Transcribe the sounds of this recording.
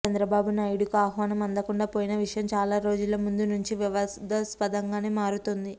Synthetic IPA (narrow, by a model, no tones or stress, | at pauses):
t͡ʃɐnd̪ɾɐbaːbunɐjɽukaːɦʋaːnɐmɐnd̪ɐkuɳɖaːpoːjinɐʋiʂɐjɐmt͡ʃaːlaːɾo̞ːd͡ʒulɐmund̪unuɲt͡ʃiʋiʋɐd̪ɐspɐd̪ɐŋɡaːneːmaːɾut̪ond̪i